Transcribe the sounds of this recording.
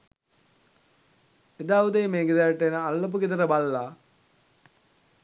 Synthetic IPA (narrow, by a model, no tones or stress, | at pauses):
ed̪aːud̪eːmeːɡed̪aɾʈːenəalːop̬uɡid̪əɾəbalːaː